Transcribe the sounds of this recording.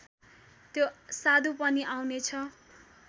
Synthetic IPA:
t̪josad̪ʱupʌniʔawnet͡sʰʌ

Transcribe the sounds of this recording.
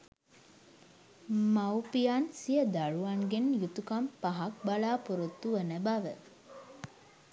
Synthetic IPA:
mawpijansijəd̪aɻuaŋɡenjut̪ukampaɦak̚balaːpuɾot̪ːuʋənəbaʋə

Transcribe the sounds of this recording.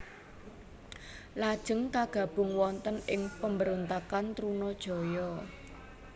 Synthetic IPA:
lad̥ʒ̥ə̤ŋkaɡ̥a̤b̥ʊ̤ŋwɔnt̪ənɪŋpəmbəɾont̪akant̪ɾunɔd̥ʒ̥ɔ̤jɔ

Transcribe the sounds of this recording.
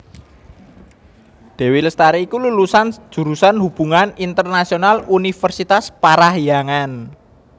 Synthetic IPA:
d̪̥ɛ̤weləst̪aɾeikululusand̥ʒ̥ṳɾusanhub̥ṳŋanint̪ərnasionalunifərsit̪aspaɾahjaŋan

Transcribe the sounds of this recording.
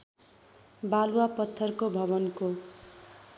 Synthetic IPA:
baluwapʌt̪ʰːʌrkobʱʌβʌnko

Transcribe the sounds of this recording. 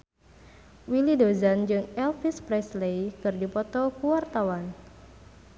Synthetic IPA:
wilidozand͡ʒɨŋɛlfispɾɛslejkɨrdipɔt̪ɔkuwart̪awan

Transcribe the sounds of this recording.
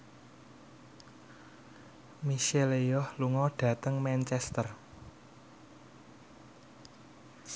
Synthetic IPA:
miʃelejɔhluŋɔɖ̥ä̤t̪əŋmɛnt͡ʃɛst̪ər

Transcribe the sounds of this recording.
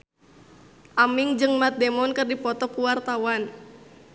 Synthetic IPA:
ʔamiŋd͡ʒɨŋmat̪̚dɛmɔnkɨrdipɔt̪ɔkuwart̪awan

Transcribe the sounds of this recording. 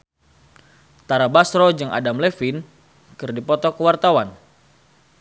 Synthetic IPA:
t̪aɾabasɾɔd͡ʒɨŋʔa̰damlefin | kɨrdipɔt̪ɔkəwart̪awan

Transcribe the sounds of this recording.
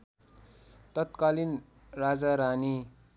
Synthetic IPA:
t̪ʌt̪kalin | rad͡zaɾani

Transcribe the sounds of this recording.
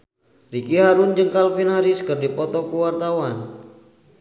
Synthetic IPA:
rikiɦaɾʊnd͡ʒɨŋkalfinɦaɾiskərdipɔt̪ɔkuwart̪awan

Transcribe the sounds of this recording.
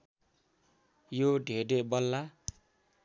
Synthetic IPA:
joɖʱeɾebʌlːa

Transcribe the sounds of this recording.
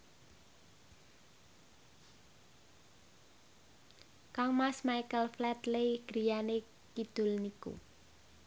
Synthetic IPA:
kaŋmasmajkəlflɛt̪lejɡ̥ɾijane | kid̪̥ʊ̤lnikṵ

